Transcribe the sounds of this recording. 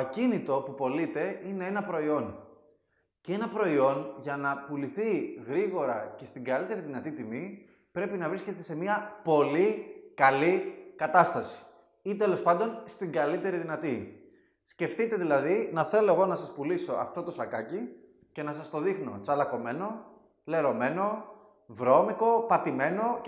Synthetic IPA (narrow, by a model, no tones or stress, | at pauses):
cinit̪o̞pupo̞lit̪e̞ine̞e̞nɐpɾo̞io̞n | cee̞nɐpɾo̞io̞nʝɐnɐpuliθiɣɾiɣo̞ɾɐce̞st̪iŋɡɐlit̪e̞ɾiðinɐt̪it̪imi | pɾe̞pinɐvɾisce̞t̪e̞se̞miɐpo̞likɐlikɐt̪ɐst̪ɐsi̥ | it̪e̞lo̞spɐnd̪o̞nst̪iŋɡɐlit̪e̞ɾiðinɐt̪i | sce̞ft̪it̪e̞ðilɐðinɐθe̞lo̞e̞ɣo̞nɐsɐspuliso̞ɐ̰ft̪o̞t̪osɐkɐci | ce̞nɐsɐst̪o̞ðixno̞̰t͡sɐlɐko̞me̞no̞ | le̞ɾo̞me̞no̞ | vɾo̞miko̞pɐt̪ime̞no̞